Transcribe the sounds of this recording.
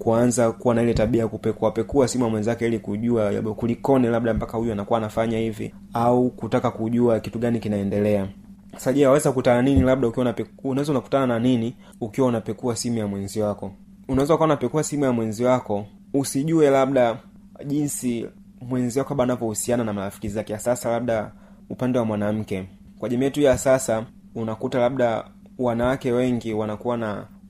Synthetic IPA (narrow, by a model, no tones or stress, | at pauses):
kuanzakuwanailɛtaɓiakupɛkuapɛkuasimujamwɛnzakɛilikuʄuaja̰ɓɔkulikɔnɛlab̚ɗampakahujuanakuwaːnafaɲahivḭ | aukutakakuʄuakituɡanikinaɛndɛlɛa | asaʄɛawawɛzaukutananinilab̚ɗaukiwanapɛunawɛzaunaku̥tanananini | ukiwaunapɛkuasimujamwɛnziwakɔ | unawɛzawukaunapɛkuasimujamwɛnziwakɔ | usiʄuɛlab̚ɗa | ʄinsi | mwɛnziwakɔkaɓanavjɔhusiananamalafi̥kizizakɛjasasalab̚ɗa | upandɛwamwanam̩kɛ | kwaʄɛmiɛtujasasa | unakutalabɗa | wanawakɛwɛŋɡiwanakuwana